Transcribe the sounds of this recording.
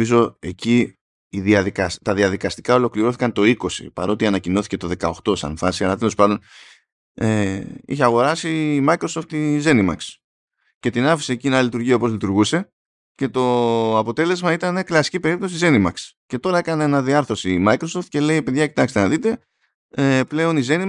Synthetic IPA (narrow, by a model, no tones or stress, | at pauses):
izo̞e̞ci | iðiɐðikɐst̪ɐðiɐðikɐst̪i̥kɐo̞lo̞kliɾo̞θi̥kɐnt̪o̞iko̞sḭpɐ̰ɾo̞t̪iɐnɐcino̞θi̥ce̞t̪o̞ðe̞kɐo̞xt̪o̞sɐ̰ɱfɐsiɐlɐt̪elo̞spɐnd̪o̞n | eḭçeɐɣo̞ɾɐsimɐikɾo̞so̞ft̪ize̞nimɐ̰ks | ce̞t̪inɐfi̥se̞ːcinɐllit̪uɾʝiɐopo̞zlit̪uɾɣuse̞ | ce̞t̪o̞ɐpo̞t̪e̞le̞zmɐit̪ɐne̞klɐsi̥cipe̞ɾip̚t̪o̞s̬ize̞nimɐksce̞t̪o̞ɾɐe̞kɐneenɐðiɐɾθɾo̞simɐikɾosoft̪̚ce̞le̞ipe̞ðʝɐcit̪ɐkst̪enɐðit̪e̞ | eple̞o̞nize̞ni